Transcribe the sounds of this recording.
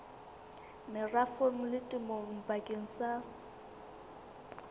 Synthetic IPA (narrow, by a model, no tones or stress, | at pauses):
mɪrafoŋ̩lɪtʼɪmoŋ̩bakʼeŋ̩sa